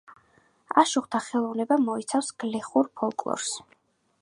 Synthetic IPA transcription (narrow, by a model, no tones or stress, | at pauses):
aʃuχt̪ʰaχɛlˠɔvnɛbamɔit̪sʰafsɡ̥lɛχuɾpʰɔlˠkʼlˠɔ̰ɾs